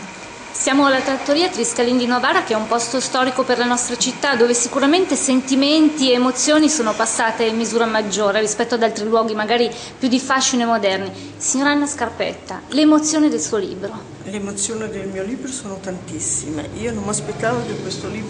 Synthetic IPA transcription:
sjaːmoalːat̪ɾat̪ːoɾiːat̪ɾiskalind̪inovaːɾakeɛumpɔst̪ost̪ɔːɾikoperlanɔst̪ɾat͡ʃit̪ːad̪ːoːvesikuɾament̪esent̪iment̪ieːmot̪sːjoːnisoːnopasːaːt̪eimːizuːɾamad͡ʒːoːɾerispɛt̪ːoad̪alt̪ɾilwɔːɡimaɡaːɾi | pjud̪ifaʃinoemːod̪ɛrni | siɲːoːɾaanːaskarpɛ̰t̪ːa̰leːmot̪sːjoːnid̪elsuːolḭːbɾo | leːmot̪sːjoːnid̪elmiːoliːbɾosoːnot̪ant̪isːimḛiːonomːaspet̪ːaːvod̪ekwest̪oliː

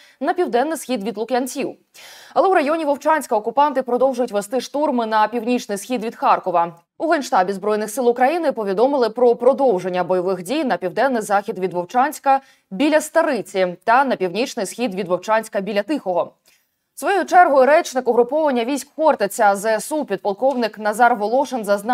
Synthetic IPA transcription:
nɐpʲiwd̪ɛnːɪjsxʲid̪ʋʲid̪lˠʊkjɐnt͡sʲiw | ɐlˠɛuɾɐjɔnʲiʋɔwt͡ʃɑnʲsʲkɐɔkʊpɑnt̪ɪpɾɔd̪ɔwʒʊjʊtʲʋest̪ɪʃt̪urmɪnɐpʲiwnʲit͡ʃnɪjsxʲid̪ʋʲid̪xɑrkɔʋɐ | uɦɔnʃt̪ɑbʲizbɾɔjnɪxsɪlˠʊkɾɐjinɪpɔʋʲid̪ɔmɪlˠɪpɾɔpɾɔd̪ɔwʒe̞nʲːɐbɔjɔʋɪxdʲijnɐpʲiwd̪ɛnːɪjzɑxʲid̪ʋʲid̪ʋɔwt͡ʃɑnʲsʲkɐ | bʲilʲɐst̪ɐɾɪt͡sʲit̪ɐnɐpʲiwnʲit͡ʃnɪjsxʲid̪ʋʲid̪ʋɔwt͡ʃɑnʲsʲkɐbʲilʲɐt̪ɪxɔɦɔ | sʋɔjjut͡ʃɛrɦʊjʊɾɛt͡ʃnɪkɔɦɾʊpɔʋɐnʲːɐʋʲijsʲkxɔrt̪et͡sʲɐzɛsupʲid̪̚pɐlˠkɔwnɪknɐzɑrʋɔlˠɔʃenzɐznɑ

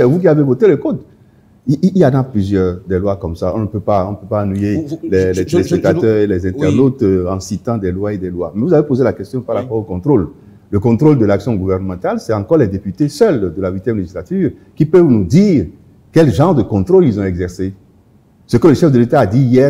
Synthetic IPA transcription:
ɛvuk̬iavevot̪eləkot̪ | iiianaplyzjœʁd̪ɛlwakɔmsaɔ̃nəpøpaɔ̃npøpãːnɥijelɛlɛt̪elesɛt̪at̪œʁelɛzɛ̃t̪ɛʁnot̪ɑ̃sit̪ɑ̃d̪ɛlwaed̪ɛlwamɛvuzavepozelakɛst̪jɔ̃paʁlapɔʁokɔ̃t̪χol | ləkɔ̃t̪χold̪əlaksjɔ̃ɡuvɛʁnəmɑ̃t̪alsɛt̪ɑ̃kɔʁlɛd̪epyt̪esœld̪əlawit̪jɛmleʒislat̪yːʁ | kipœvnud̪iːʁ | kɛlʒɑ̃ʁd̪əkɔ̃t̪χolilzɔ̃ɛɡzɛʁse | səkələʃɛfd̪əlet̪aːd̪ijɛ

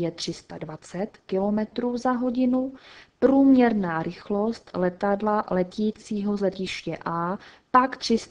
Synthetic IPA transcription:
jɛt̪r̝̥ɪst̪advat͡sɛt̪kɪlo̞mɛt̪ɾuːzaɦo̞ɟɪnupɾuːmɲɛɾnaːɾɪxlo̞st̪lɛt̪adlalɛc̪iːt͡siːɦo̞zlɛcɪʃcɛʔaː | pakt̪r̝̥ɪs

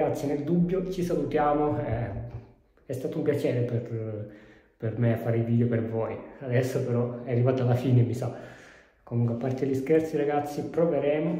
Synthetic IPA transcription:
ɡat̪sːinɛld̪ubjɔt͡ʃisalut̪jaːmoɛ | ɛst̪at̪umpjat͡ʃɛɾɛpɛɾ | pɛɾmɛfaɾid̪id̪ɔpɛɾvɔjad̪ɛsːopɛɾɔɛarːivat̪alafinɛmisa | komuŋkwɛapːaɾt̪eeʎiskɛɾt̪siɾaɡat̪sːipɾɔvɛɾɛm

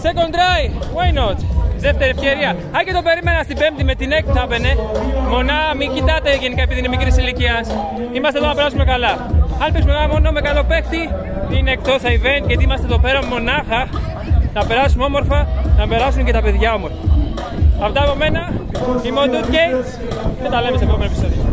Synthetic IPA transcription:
seko̞nd̪ɾɐjwajnot̪ðeft̪e̞ɾiefçeɾiɐ | ɐcet̪o̞pe̞ɾime̞nɐst̪ibe̞mpt̪ime̞t̪ine̞k̚t̪iθɐpe̞ne̞mo̞nɐmicit̪ɐt̪eʝe̞nikɐepiðinemikɾisiliciɐs | imɐst̪eðonɐpe̞ɾɐsume̞kɐlɐ | ɐnpismeɣamo̞nome̞kɐlo̞pe̞xt̪i | t̪iinekt̪o̞sθɐive̞ncet̪iimɐst̪eðope̞ɾɐmemo̞nɐxɐ | nɐpe̞ɾɐsumeo̞mo̞ɾfɐnɐpe̞ɾɐs̬unce̞t̪ɐpe̞ðʝɐo̞mo̞ɾfɐ | ɐft̪ɐːpo̞me̞nɐimeot̪ut̪cejs | met̪ɐle̞mesepɾomenopiso̞ðio

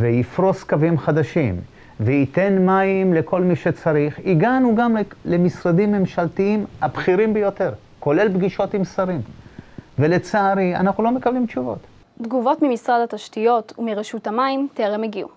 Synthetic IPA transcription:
veifɾo̞skavimχad̪aʃim | veit̪e̞nmaimle̞ko̞lmiʃe̞t͡saɾiχiɡanuɡamle̞misɾadimːe̞mʃalt̪iimhabχiɾimbejo̞te̞ʁ | ko̞le̞lbɡiʃo̞timsaɾim | vele̞t͡saaɾia̰naχnulo̞me̞kablimt͡ʃuvo̞̰t̪ | d̪ɡuvo̞tmimisʁadataʃtijo̞t̪ʰumiʁeʃutamaimteʁemeɡiṵ

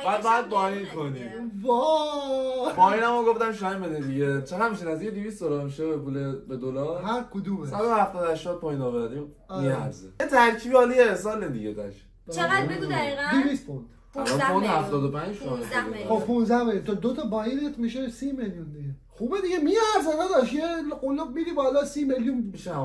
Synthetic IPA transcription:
bæd̪bad̪̚bɒjinkʰoni | vɒ | pʰɒjinæmɔɡofd̪æmʃ̬ɒjimbed̪id̪iɟet͡ʃʰeʁæd̪miʃenæzd̪iced̪ivist̪d̪olɒɾmiʃebepulebed̪olɒɾhæɾkʰod̪umealɔhæft̪ɒːd̪æʃt̪ɒd̪̚pʰɒːjinɒːβeɾd̪im | miæɾzeet̪ʰæɾcʰiːbiɒːlijeehs̬ɒːled̪ḭɟed̪æ̰ʃ | be | iɣæd̪ivist̪pʰond̪̥ | lpond̪hæft̪ɒːd̪opʰænd͡ʒd͡ʒʰɔælxopʰũnzæhmeljunt̪ɔd̪ot̪ʰɒbɒːjinet̪miʃesimeljund̪iɡe | xubed̪iɡemiæɾzenæd̪ɒʃjelqolːɔbmiɾibɒlɒsimeljunmiʃeæ

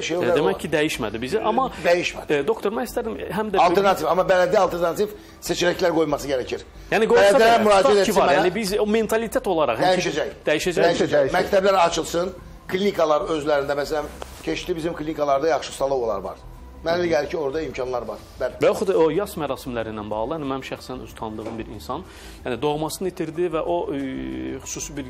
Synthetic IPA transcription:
ʃejoeæcʰːid̪æjiʃmæ̰d̪ibiziʔɑmɑd̪æjiʃmæd̪o̞kt̪ʰo̞ɾmænist̪æɾimɦæmd̪æɑlˠeɾnɑt̪ʰifɑmɑbælæd̪iɑlˠt̪ʰeɾnɑt̪ʰif | set͡ʃʰiɾæclæɾɡo̞jmɑsɯɟɛɾæcʰiɾ | jæːniɡoælæilæmyɾɑːd͡ʒ̪ɛt̪eivɑɾjːnibizome̞nt̪ʰɑlˠit̪ʰet̪o̞lˠɑɾɑ̰ʁhmjiʃɛd͡ʒæjd̪̥æjiʃæd͡ʒæjd͡ʒmæct̪ʰæblæɾɑt͡ʃʰɯlˠsɯn | kʰlʲinikʰɑlˠɑɾøzlæɾind̪æmæsælæmcʰeʃlibizimkʰlʲinikʰɑlˠɑɾd̪ɑjɑχʃɯ̥sɑlˠɯvolˠɑ̰ɾvɑ̰ɾ | mænelæɟælcʰio̞ɾd̪ɑimcʰɑnlˠɑɾvɑɾ | b̥ælivæjoxut̪ojɑsmæɾɑːsimlæɾinːænbɑ̰ɣlˠɯjænimænmʃæxsænøz̥t̪ʰɑnd̪ɯʁɯmbiɾinsɑn | jænid̪o̞ʁmɑsɯnɯit̪ʰiɾd̪ivæʔo̞ | xy̥suːsibiɾ

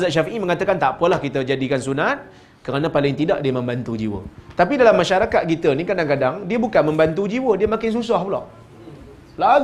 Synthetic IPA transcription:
zat̪̚ʃ̬afiʔimə̃ŋat̪akant̪apəlahkit̪əd͡ʒadikansunat̪̚ | kəɾanãpalɪŋt̪idaʔdiəmə̃mbant̪ud͡ʒḭwə̰t̪apidalamːaʃaɾakat̪̚kit̪ənikadaŋkadaŋdiəbukanmə̃mbant̪ud͡ʒiwədiəmãkɪns̬usahpulɔ̰ʔ | la

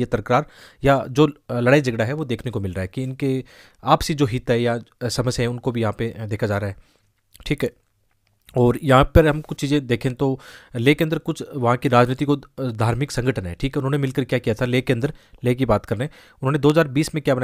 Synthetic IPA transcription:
jet̪ɐɾkɾaːɾjad͡ʒoːlɐɽaːid͡ʒɐɡɽaɦɛʋod̪eːkʰnekomɪlɾaːɦɛkiɪnke | aːpsid͡ʒoːɦɪt̪ɦɛjasɐməsjɦɛ̃ʊnkobʱijɐɦãped̪eːkʰad͡ʒaːɾaːɦɛ | ʈʰiːkɦɛ | ɔːɾjɐɦãpɐɾɦɐmkʊt͡ʃʰt͡ʃiːzẽd̪eːkʰẽt̪oleːkeɐ̃nd̪əɾkʊt͡ʃʰʋɐɦãkiɾaːd͡ʒniːt̪ikod̪ʱaːɾmɪksɐ̃ŋɡəʈʰənɦɛ̰ʈʰiːkɦɛʊnɦõnemɪlkəɾkjaːkijat̪ʰaleːkeɐ̃nd̪əɾleːk̬ibaːt̪kɐɾnẽː | ʊnɦõːned̪oːɦɐzaːɾbiːsmẽkjaːbɐna

